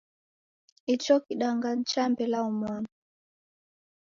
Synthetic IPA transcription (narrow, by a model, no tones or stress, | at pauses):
it͡ʃɔkiɗaŋɡan̩t͡ʃambɛlaɔmwana